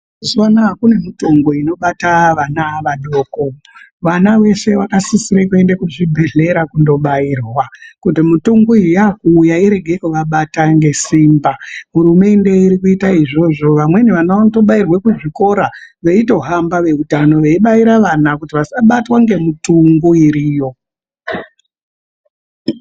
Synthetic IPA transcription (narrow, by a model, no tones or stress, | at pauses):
zanakune̞mitoŋɡo̞ino̞ɓataʋanaʋaɗo̞ːko̞ | ʋanawe̞se̞wakasisiɾekue̞ndekuʐibʱe̞ɮe̞ɾakundo̞ɓaiːrwakutimutoŋɡoijakuːjaiɾe̞ɡʱekuʋaɓataŋɡe̞siːmbaɦuɾume̞nde̞iɾikuitaiʐo̞ʐo̞ʋamwe̞neʋanaʋanoto̞ɓairwekuʐiko̞ɾaʋeito̞ɦambaʋe̞utano̞ʋeiɓaiɾaʋanakutiʋasaɓatwaŋɡe̞mutuŋɡuiɾiːjo̞